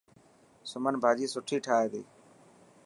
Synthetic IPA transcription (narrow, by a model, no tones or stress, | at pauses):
sʊmənbʱaːd͡ʒiːsʊʈʰiːʈʰaːeːd̪ḭː